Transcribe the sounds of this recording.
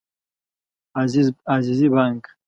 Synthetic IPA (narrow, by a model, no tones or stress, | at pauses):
azizibaŋk